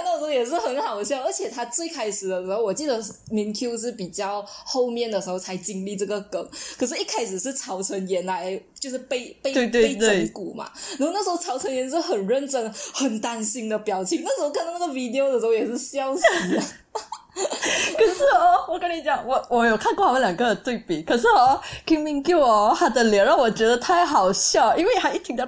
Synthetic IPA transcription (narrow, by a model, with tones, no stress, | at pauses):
n˥˩ʂ̩˧˥o˥˧jɛ˨˩ʂ̬ɻ̩˥˩xə˧˥nxɑ˨˩ʊd̪ə˦ɕjɑ˥˧ʊə˞˧˥t͡ɕʰjɛ˨˩t̪ʰa˥t͡swe˥˩ɪkʰa˥ɪʂɻ̩˨˩d̪ə˦ʂɻ̩˧˥xo˥˩ʊwɔ˨˩t͡ɕi˥˩d̪ə˩ | mi˧˥nkʰju˥ʂ̬ɻ̩˥˩pi˨˩t͡ɕjɑ˥˧ʊxo˥˧ʊmjɛ˥˩nd̪ə˩ʂɻ̩˧˥xo˧˩t͡sʰa˧˥ɪt͡ɕi˥ŋli˥˧ʈ͡ʂɤ˥˩ɡə˩kə˨˩˦ŋkʰə˨˩ʂɻ̩˥˩i˥˩kʰa˥ɪʂɻ̩˨˩ʂɻ̩˥˩t͡sʰɑ˧˥ʊt͡sʰə˧˥njɛ˧˥nla˧˦ɪt͡ɕjo˥˧ʊʂ̬ɻ̩˥˧pe˥˧ɪpe˥˧we˥˧t̪we˥˧e˥˧ɪt̪ə˥˧ŋku˨˩˦ma̰˨˦na˧˥o˥˧a˥˩ʂ̩˧xo˥ɑ˧˥ʊʈ͡ʂʰwə˧˦njɛ˧˥nʂ̬ə˥˩xə˨˩nɻə˥˧nʈ͡ʂə˥˩nxə˨˩nt̪a˥nɕi˥ŋd̪ə˨pjɑ˨˩ʊt͡ɕʰi˨˩˦ŋna˥˩ʂɻ̩˧˥o˥kʰa˥n˧˥na˥˩ɡə˧˩wi˧˥˩d̪i˧˨o˧ʊdə˩ʂɤ˧˥xo˥˧jɛ˨˩ʂɻ̩˥˧ɕjɑ˥ʊɕ̩˨˥˧ | kʰə˨˩ʂ̩˥˩ɔ˥˧wɔ˨˩kə˥ni˧˥t͡ɕjɑ˨˩˦ŋwɔ˨˧˩wɔ˧˦jo˨˩kʰa˥˧nkwɔ˥˩˨ə˥˧ljɑ˨˩ŋɡə˧t̪we˥˩ɪpi˨˩kʰɤ˨˩ʂ̬ɻ̩˥˩˧ki˥ŋmi˧˥ŋku˥˩˧xa˥˩d̪ə˨˩ljɛ˧˥ɑ˥˩ŋwɔ˨˩t͡ɕɥɛ˧˥d̪ə˧t̪ʰa˥˩ɪxɑ˨˩ʊɕjɑ˥˩ʊʔi˥nwe˥˩xa˧˥ɪi˥˩t̪ʰi˧˥ŋd̪ə˧